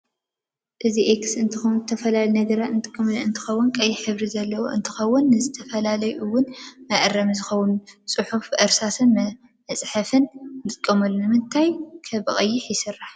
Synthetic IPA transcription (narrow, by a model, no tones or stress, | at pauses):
ʔɨziʔeksɨnt̪ʰɨxɐwzɨt̪ʰɐfɐlaljnɐɡɐɾat̪ɨnt̪ʼɨkʼːɐmɨnt̪ʰɨ̥xɐwːʊnkʼɐjːɪħɨβɾizɐlːɐwoʔɨnt̪ʰɨ̥xɐwːʊnːɨzɨt̪ʰɐfɐlalɐjɨwːʊnmɐʔɨrːɐmzɨxɐwːʊnt͡sʼɨħufʔɐɾsat̪ʰɨnm | mɐsʼħɐfɨnt̪ʼɨkʼːɐmɐlːunɨmɨnt̪ʰajkʰɐbɨχʼɐjːɪħjɪsɨrːaħ